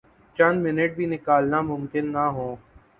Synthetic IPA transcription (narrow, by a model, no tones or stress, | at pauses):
t͡ʃɐnmɪnəʈ̚bʱiːnɪkaːlnamʊmkɪnːaɦõː